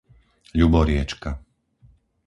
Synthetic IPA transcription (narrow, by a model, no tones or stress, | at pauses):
ʎubɔɾɪɛt͡ʃka